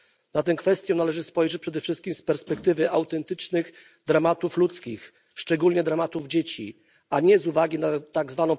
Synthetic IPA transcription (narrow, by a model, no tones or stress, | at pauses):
nat̪ɛw̃kfɛst̪ʲjɔ̃nalɛʐɘspɔjʐɛt͡ɕ̚ʲpʂɛd̪ɛfʂɘst̪kʲimspɛɾspɛkt̪ɘvɘawt̪ɛnt̪ɘt͡ʂnɘx | d̪ɾamat̪uflut̪skʲix | ʂt͡ʂɛɡulɲɛd̪ɾamat̪uvd͡ʑet͡ɕḭ | aɲɛzuvaɡʲinat̪aɡzvanɔ̃w̃